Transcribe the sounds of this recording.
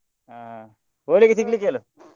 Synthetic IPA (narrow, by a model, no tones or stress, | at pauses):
a | ʋoliket̪ʰiklikelo